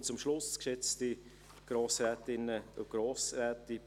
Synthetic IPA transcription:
t͡sʊmʃlʊskʃɛt͡sti | ɡ̥ɾoːsɾɛːtɪnːəɡ̥roːsɾɛːti

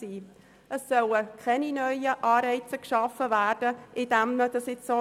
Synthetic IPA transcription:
iː | əsːœləkʰɛninœʏəʔɑːɾɛɪt͡səkʃɑfəvæːrd̥əʔɪd̥æmnəd̥əsɪt͡sːo

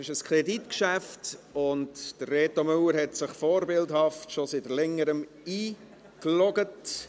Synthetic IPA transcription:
ɪʃəskʰʁeditkʃæftʊntd̥ərːeːtomʉləɾhɛtsɪχfoːɾbɪldhɑftʃositlɛŋːəɾəm | iː | klɔɡət

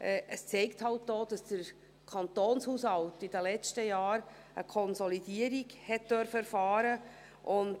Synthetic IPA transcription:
ɛʔəst͡sɛɪkthɑltd̥oːd̥ɑsd̥əɾ | kʰɑnt̪oːnshuːshɑltidəlɛt͡stəjaːɾ | əkʰɔnsɔlidiəɾiɡhɛt̚d̥œɾfəɛɾfɑːɾə | ʔʊnt

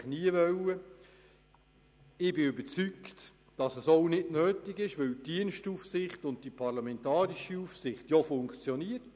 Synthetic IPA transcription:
χniəvœwə | ɪbɪybəɾt͡sykt | d̥ɑsɛsoʊnɪdnøːtɪɡɪʃʋɵwtd̥iənʃtufsɪχtʊnt̚d̥ipʰɑʁlɑmɛntɑːɾiʃiufsɪχtjofʊŋkt͡sjɔniət

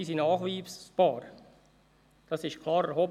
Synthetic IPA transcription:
iːsinɑːχʋiːsb̥ɑːɾ | d̥ɑsɪʃtkʰlɑːɾɛɾhoːb

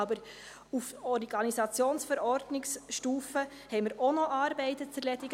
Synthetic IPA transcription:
ɑbəɾ | ufɔɾɡɑnisɑt͡sjoːnsfɛɾɔɾdnɪksʃtuːfə | hɛɪməɾonɔʔɑːɾbɛɪtət͡sɛɾlɛtɪɡ

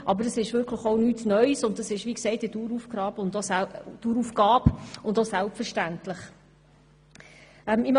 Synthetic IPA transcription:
ʔɑbəɾəsɪʃvʏɾkʰləχonyːtnœʏsʊndd̥ɑsɪʃʋiːksɛɪt̚dituːɾufɡ̥ɾɑːbʊndɔstuːɾufɡ̥ɑːpʊndɔsælpfəɾʃtæntləχ | ɛmɪm

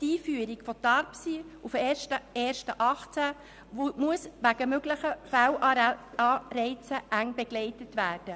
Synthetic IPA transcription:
tiːfyːəɾiɡfɔtɑɾpsiufeʃtəeːrʃtəʔɑχt͡sæ | muəsʋæɡəmøɡləχəfæwɑːɾɛɪt͡səʔæŋbɛɡ̥lɛɪtətʋæːrd̥ə

